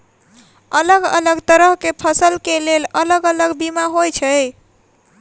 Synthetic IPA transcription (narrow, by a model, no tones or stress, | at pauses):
ələɡə̰ləɡt̪əɾəɦkepʰəsəlkelelələɡələɡbimaɦojt͡ʃʰəj